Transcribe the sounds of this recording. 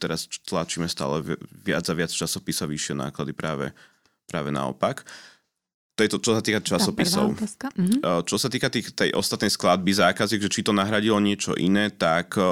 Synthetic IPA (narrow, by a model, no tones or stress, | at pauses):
t̪ɛɾast̪lat͡ʃiːmɛst̪a̰ːlɛʋɪa̰d͡zaʋɪat͡st͡ʃasɔpisaʋiʃɪɛna̰ːklad̪ipɾaːʋɛ̰ | pɾaːʋɛna̰ɔ̰pak | t̪ɔjɛt̪ɔt͡ʃɔsat̪iːkat͡ʃasɔpisɔ̰ʊ | t͡ʃɔsat̪iːkat̪iːxt̪ɛjʔɔ̰st̪at̪nɛjsklad̪̚bizaːkaziɡʒɛt͡ʃit̪ɔnaɦɾaɟilɔɲɪɛt͡ʃɔ̰ʔinɛːt̪ak